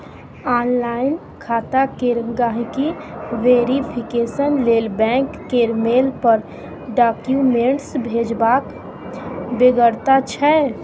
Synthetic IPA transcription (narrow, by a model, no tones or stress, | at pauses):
aːnlaːɪn | kʰaːt̪akeɾəŋɡaːɦikiʋeːɾipʰɪkeːsənleːlbɛ̃ːŋkːeɾmeːlpəɾ | ɖaːkjumẽːɳʈsbʱeːd͡ʒbaːk | beɡəɾt̪at͡ʃʰɛ